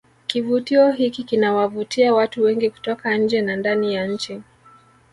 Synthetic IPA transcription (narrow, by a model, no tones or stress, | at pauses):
kivutiɔɦikikinawavutʰiawatuwɛŋɡiku̥tɔkaɲ̩d͡ʒɛnandanijaɲ̩t͡ʃi